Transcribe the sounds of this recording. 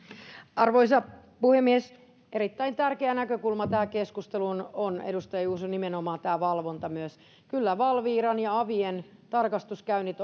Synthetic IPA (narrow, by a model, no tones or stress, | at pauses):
ɑrʋoisɑpuhemːies | ʔeɾit̪ːæint̪ærkeænækøkulmɑt̪æːkeskust̪elunonḛdust̪ɑjɑjuːsunimenomɑːt̪æːʋɑlʋo̞nt̪ɑmyøs | kylːæʋɑlʋiːɾɑnjɑɑʋien | t̪ɑrkɑst̪uskæynːit̪